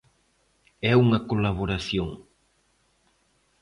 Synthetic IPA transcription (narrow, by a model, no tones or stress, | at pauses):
ɛuŋɐkolaβoɾaθjoŋ